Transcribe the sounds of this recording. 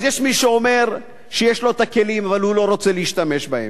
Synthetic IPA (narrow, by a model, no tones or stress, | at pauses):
zjeʃmiʃeo̞me̞ʁ | ʃejeʃlo̞et̪ake̞limavalhulo̞ʁo̞t͡seleiʃt̪ame̞ʃbahḛm